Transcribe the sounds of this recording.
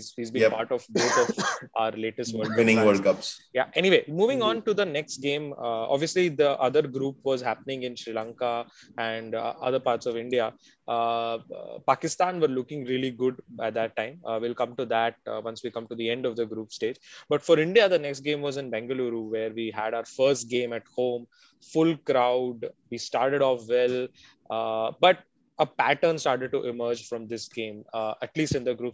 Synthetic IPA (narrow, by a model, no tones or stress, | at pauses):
ziːzbĩpa̰ːɾʈɔʋboːt̪ʰɔvʔaʊəɾleːʈəsʈʋəɾlkɪnɪ̃ʋəlkʌpsja̰ʔɛniʋeːmuːʋɪ̃ŋɔ̃ːnʈud̪ənɛksʈ̚ɡẽːmɔ̰bʋiəslid̪əʔʌd̪əɾɡɾuːpʋɔːzɦæpənɪ̃ŋɡɪ̃nʃɾilãːŋkaæ̃ɳɖʌ̰d̪əɾpaːɾʈsɔʋɪ̃ɳɖia | pakɪst̪ãːnʋəɾlʊkɪ̃ŋɾiəliɡʊɖæʈ̚d̪æʈːãɪ̃mʋɪlkʌ̃mʈud̪æʈ̚ʋʌ̃nsʋikʌ̃mʈud̪iɛ̃ɳɖɔʋd̪əɡɾuːpsʈeːd͡ʒbʌʈfɔɾɪ̃ɳɖijad̪ənɛksʈ̚ɡẽːmʋɔːzɪ̃nbæ̃ŋɡəluɾuʋeːɾʋiːɦæɖaʊəɾfəɾsʈ̚ɡẽːmæʈhõːm | fʊlkɾaʊɖʋiːsʈaːɾʈeɖɔːfʋɛl | bʌʈ̚ | əpæʈəɾnsʈaːɾʈeɖ̚ʈuʔɪməːɾd͡ʒfɾɔ̃md̪ɪsɡẽːməʈliːsʈɪ̃nd̪əɡɾuːp